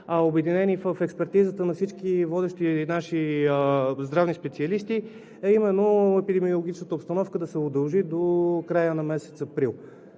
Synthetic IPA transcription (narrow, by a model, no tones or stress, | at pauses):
ɐobɛd̪inɛnifəfɛkspɛɾt̪izət̪ənɐfsit͡ʃkivɔd̪ɛʃt̪inaʃi | zd̪ɾavnispɛt̪siɐlist̪i | ɐimɛnːoɛpid̪ɛmiolˠʊɡʲit͡ʃnət̪əopst̪ɐnɔfkəd̪ɐsɛʊd̪ɐlˠʒid̪okɾajənɐmɛsɛt̪sɐpɾilˠ